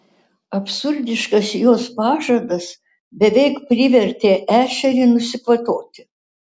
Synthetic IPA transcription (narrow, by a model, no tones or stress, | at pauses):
ɐpʲsʊɾʲd̪ʲɪʃkɐsjoːspɑːʒɐd̪ɐs | bʲɛʋʲɛɪkpʲɾʲɪʋʲɛɾʲt̪ʲeːʔæːʃʲɛɾʲɪnʊsʲɪkʋɐt̪oːt̪ʲɪ